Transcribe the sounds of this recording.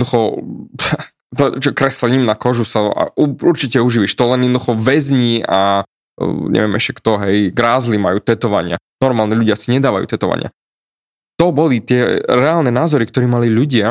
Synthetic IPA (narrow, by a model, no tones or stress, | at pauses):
d̪uxɔ | t̪ɔt͡ʃɔkɾɛslɛɲimnakɔʒusaa̰ʔuuɾt͡ʃicɛuʒiːʋiʃt̪ɔlɛnjɛd̪ɔd̪uxɔʋɛzɲiːa | ɲɛ̰ʋɪɛmɛʃcɛkt̪ɔɦɛjɡɾaːzlimajuːt̪ɛt̪ɔʋa̰ɲɪa̰nɔɾmaːlɲɛʎuɟɪasiɲɛd̪aːʋa̰jṵːt̪ɛt̪ɔʋa̰ɲɪa̰ | t̪ɔbɔlit̪ɪɛɾɛaːlnɛnaːzɔɾikt̪ɔɾiːmaliʎuɟɪa